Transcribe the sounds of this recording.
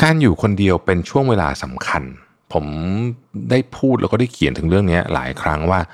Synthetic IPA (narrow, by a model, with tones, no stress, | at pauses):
kaː˧njuː˨˩kʰo˧ndi˧əwpe˧nt͡ɕʰu˥˩əŋweː˧la̰ː˧sa˩˦mkʰa˧n | pʰo˩˦m | daː˥˩jpʰuː˥˩t̪lɛ̰˧˦kɔː˥˩da˥˩jkʰi˨˩˦nt̪ʰɯ˩˦ɾɯ˥˩əŋni˦˥ɐla̰ː˩˦jkʰɾa˦˥ŋwaː˥˩